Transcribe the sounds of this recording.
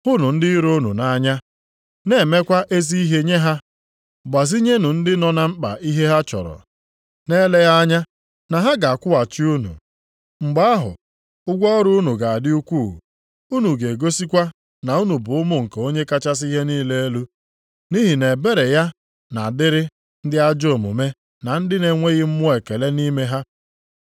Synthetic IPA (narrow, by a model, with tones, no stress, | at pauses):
hʊ˦nʊ˨n̩˦dɪ˦i˦ɾo˦nu˨na˨˦ɲa˦ | ne˨me˦kʷa˦ʔe˦zi˦i˦ɦe˦ɲe˦ɦa˦ | ɡ͡ba˨zi˦ɲe˦nu˨n̩˦dɪ˦nɔ˦na˦ŋ͡m̩˦k͡pa̰˨ʔi˦ɦe˦ɦa˦t͡ʃɔ̰˨ɾɔ̰˨ | ne˦le˦ja˦a˦ɲa˦ | na˨ɦa˦ɡa˨a˨kʷʊ˦a˨t͡ʃi˦u˦nṵ˨ | ŋ͡m̩˨ɡ͡ba˦a˦ɦʊ̰˨ | ʊ˦ɡʷɔ˦ɾʊ˦u˦nu˨ɡa˨a˨dɪ˦u˦kʷu˦˨ | u˦nu˨ɡe˨ɡo˦si˦kʷa˦ | na˨u˦nu˨bʊ˨ʊ˦mʊ˦ŋ̩˨ke˨o˦ɲe˦ka˦t͡ʃa˦s̬i˦ɦe˦niː˦le˦e˦lu˦ | ni˦ɦi˨ne˨be˦ɾe˨ja˦ | na˨dɪ˦ɾɪ˦ | n̩˦dɪ˦a˦d͡ʒo˦˨mṵ˨me˦ | na˨n̩˦dɪ˦ne˨ŋʷe˦ɣɪ˦m̩˦mʊ˦e˨ke˨le˦ni˦me˦ɦa˦